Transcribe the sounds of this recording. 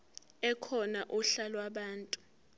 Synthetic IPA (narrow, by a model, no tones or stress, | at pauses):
ɛkʰɔnaʔuɬalwaɓaːntʼu̥